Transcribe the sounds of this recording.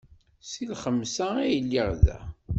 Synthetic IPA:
silχəmːsææjəlːiʁðæ̰

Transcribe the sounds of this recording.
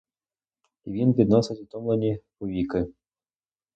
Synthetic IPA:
ivʲinpʲid̪nasɐzʲit̪ɔmlˠɐnʲipɔvʲikɨ

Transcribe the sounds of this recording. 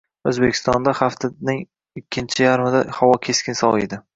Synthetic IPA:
ɵzbekʲʰɪ̥st̪ɒnd̪aχaft̪ʰɪnɪŋ | ɪkʲʰːɪnt͡ʃʰɪjaɾmɪd̪ahawɒkʲʰe̞skʲɪnsɒwed̪ɪ

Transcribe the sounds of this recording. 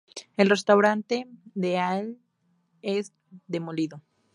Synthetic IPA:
elre̞st̪awɾant̪e̞ðeal | ez | ðe̞mo̞liðo

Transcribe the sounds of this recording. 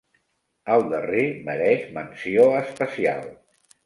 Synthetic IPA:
əlˠd̪əreməɾɛʒmənsioəspəsia̰lˠ

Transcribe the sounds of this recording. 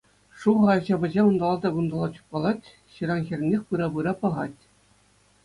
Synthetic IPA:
ʂuʁɑjɕɑbʲɘ̆ʑʲeund̪ɑlˠɑd̪ɑɡund̪ɑlˠɑt͡ɕu̥p̚pɑlˠɑtʲ | ɕɯɾɑnxʲɘ̆rʲnʲexʲpɯɾɑbɯɾɑpɑ̆ʁɑtʲ

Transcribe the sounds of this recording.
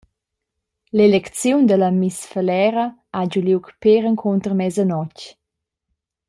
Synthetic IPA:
lelɛkt͡sjund̪əlamisfəlɛːɾə | aɟuliwkpeɾəŋkʰont̪əɾmɛzənɔc

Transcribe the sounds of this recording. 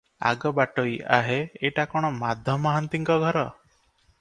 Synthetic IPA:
a̰ɡɔbaʈɔja̰ɦeeʈakɔɽ̃ɔmad̪ʱɔmɔɦant̪iŋkɔɡʱɔɾɔ

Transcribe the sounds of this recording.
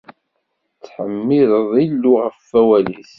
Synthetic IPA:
t͡sːħə̰mːiððˤilːuʁəfːæwælis

